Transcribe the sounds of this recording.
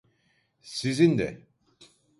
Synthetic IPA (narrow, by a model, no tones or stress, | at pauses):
sizind̪ɛ̰